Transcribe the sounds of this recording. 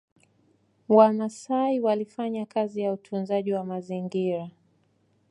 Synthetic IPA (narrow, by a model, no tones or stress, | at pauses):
wanasaiwalifaɲakazijautʰunzaʄiwamaziŋɡiɾa